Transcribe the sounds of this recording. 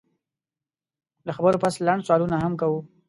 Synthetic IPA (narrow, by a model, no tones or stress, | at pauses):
d̪əxabəɾopaslaɳɖswɑlunaɦamkawu